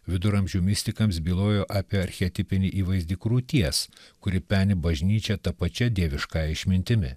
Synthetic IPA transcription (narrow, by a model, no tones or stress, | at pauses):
ʋʲɪd̪ʊɾɐmʲʒʲuːmʲɪsʲt̪ʲɪkɐmsbʲiːlˠoːjoːʔɑːpʲiɛɐɾʲxʲɛt̪ʲɪpʲɪnʲɪʔiːʋɐɪzʲd̪ʲɪkɾuːt̪ʲiɛskʊɾʲɪpʲæːnʲɪbɐʒʲnʲiːt͡ʃʲɛt̪ɐpɐt͡ʃʲɛd̪ʲiɛʋʲɪʃkɑːjɛɪʃʲmʲɪnʲt̪ʲɪmʲɪ̰